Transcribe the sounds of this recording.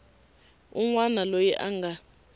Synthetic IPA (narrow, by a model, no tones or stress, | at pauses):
uŋwanalojiʔaŋɡa